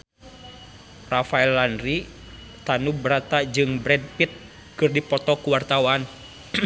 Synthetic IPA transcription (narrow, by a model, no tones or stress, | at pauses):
rafaɛlːanɾi | t̪anubɾat̪ad͡ʒɨŋbɾɛd̚pit̪̚ | kɨrdipɔt̪ɔkuwart̪awan